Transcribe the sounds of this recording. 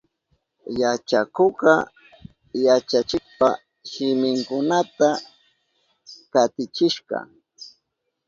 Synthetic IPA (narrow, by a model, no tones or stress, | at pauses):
jat͡ʃakoɢɑ̰ | jat͡ʃat͡ʃɪk̚pa | ʃɪmɪŋkʊnat̪a | kat̪ɪt͡ʃɪʃɢɑ̰